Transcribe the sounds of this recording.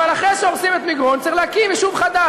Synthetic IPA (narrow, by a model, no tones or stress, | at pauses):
valaχʁeʃeoʁsimet̪miɡʁont͡saɐʁilehakiveʃuvχad̪a